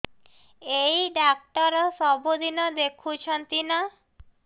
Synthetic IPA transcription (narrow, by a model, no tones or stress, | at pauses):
ejɖak̚ʈɔɾɔsɔbud̪ʱinɔd̪ekʰut͡ʃʰɔnt̪ina